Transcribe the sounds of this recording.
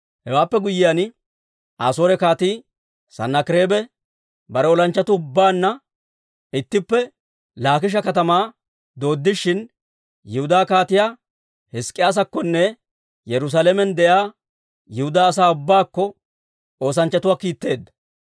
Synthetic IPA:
hɛwaːpːɛɡʊjːɪjaːn | aːsoːɾɛkaːt̪iː | sɐ̰nːɐkɪɾe̞ːbɛ | bɐɾɛɔlɐnt͡ʃːɐt̪ʊːʊbːaːnːɐ | ɪt̪ːɪpːɛ | laːk̬ɪʃ̬ɐkɐt̪ɐmaː | d̪o̞ːd̪ːɪʃːɪn | jɛhʊd̪aːkaːt̪ɪjaː | hɛskʼːɪjaːs̬ɐkːɔnːɛ | jɛɾʊs̬aːlɛmɛnd̪ɛjaː | jɪhʊd̪aːɐs̬aːʊbːaːkːɔ | o̞ːs̬ɐnt͡ʃːɐt̪ʊwaːkiːt̪ːe̞ːd̪ːɐ̥

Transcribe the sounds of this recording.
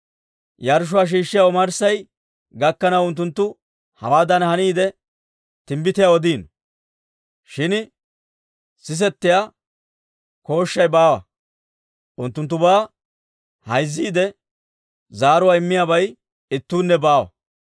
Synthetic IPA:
jaɾʃ̬ʊwaːʃ̬iːʃːɪjawɔmɐɾsɐj | ɡɐkːɐnɐwʊnt̪̬ːʊnt̪ːʊ | hɐ̰waːd̪ɐnhɐniːd̪ɛ | t̪ɪmbɪt̪ɪjawɔd̪iːn | ʃɪn | sɪs̬ɛt̪ːɪja | ko̞ːʃːɐjbaːwɐ̰ | ʔʊnt̪ːʊnt̪̬ːʊbaː | hɐjzːiːd̪ɛ | zaːɾʊwaːɪmːɪjaːbɐj | ɪt̪ːuːnːɛbaːwɐ̰

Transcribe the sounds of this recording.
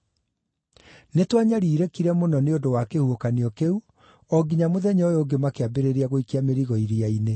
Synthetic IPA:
netwaɲaɾiːɾekiɾɛmonɔneondowakehuokaniɔkeu | ɔɡiɲamoðɛɲojoɡemakeabeɾeɾiaɣoikiameɾiɣɔiɾiaine

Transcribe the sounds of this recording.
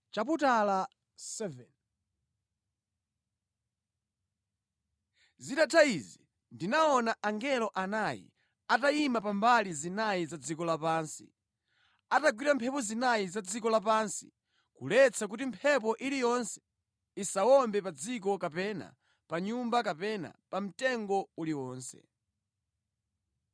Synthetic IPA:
t͡ʃap̬utala | sɛvɛn | zitatʰaizi | ndinaɔnaʔaŋɡɛlɔʔanajḭ | ataimapambalizinajizad͡zikɔlapaːnsḭ | ataɡwiɾampʰɛpɔzinajizad͡zikɔlap̬aːnsi̥̰ | kṵlɛt͡sʰak̬utimpʰɛp̬ɔʔilijɔnsɛ̥ | isawɔmbɛpad͡zik̬ɔkapɛna̰ | paɲumbakapɛna̰pam̩tɛŋɡɔuliwɔːnsɛ̰

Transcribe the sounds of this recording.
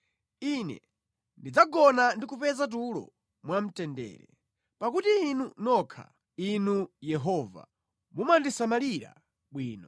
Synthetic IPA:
inɛ̰ | ndid͡zaɡɔnandikupɛzat̬ulɔ̰ | mwam̩tɛndɛ̰ːɾɛ̰ | pakutiːnunɔkʰa̰ | inujɛɦɔːva̰ | mumandisamaliɾa̰ | ɓwiːnɔ

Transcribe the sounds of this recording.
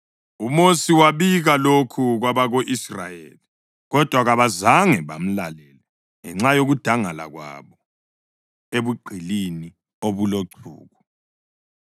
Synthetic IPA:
umosiwaβiɣalokʰuɣwaβaɣoʔisra̰jḛːli | ɣɔd̥ʱwaɣaβazaŋɛβa̰m̩lalɛlɛ | ŋɛ̰ŋ͡ǁajoɣud̥ʱaŋala̰ɣwa̰βɔ | eβuɡ͡ǀʱilini | oβuloǀʰṵːɣu

